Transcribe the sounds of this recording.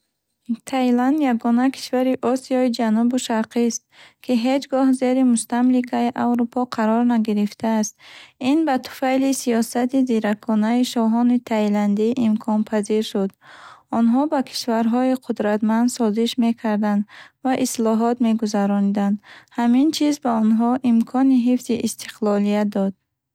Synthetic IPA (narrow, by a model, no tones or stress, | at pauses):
t̪ʰajland̪jaɡɔnakʰi̥ʃvaɾiʔɔsiɔid͡ʒanubuʃaɾqist̪̚kʰiɦed͡ʒɡɔhze̞ɾimust̪amlikʰaiʔawɾupʰɔqʰaɾɔɾnaɡiɾift̪ʰaːst̪inbat̪ʰu̥fajlisiɔsat̪iziɾakʰɔnaiʃɔɦɔnit̪ʰajland̪iʔimkʰɔnpʰaziɾʃud̪ɔnɦɔbakʰi̥ʃvaɾɦɔiqʰud̪ɾat̪mand̪sɔziʃme̞kʰaɾd̪and̪vaʔislɔɦɔt̪me̞ɡuzaɾɔnid̪and̪hamint͡ʃʰizbaɔnɦɔʔimkʰɔniɦifz̥iʔːst̪ʰi̥qlɔlijad̪ɔd̪̥